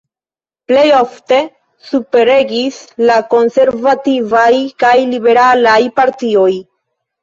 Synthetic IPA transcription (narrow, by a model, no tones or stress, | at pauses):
ple̞jo̞fte̞ | supe̞ɾe̞ɡislako̞nse̞ɾvativajkajlibe̞ɾalajpaɾtio̞j